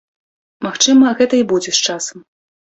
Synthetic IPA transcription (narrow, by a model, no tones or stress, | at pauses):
maxt͡ʂɨmɐɣɛt̪ɐibud͡zʲɛst͡ʂasɐm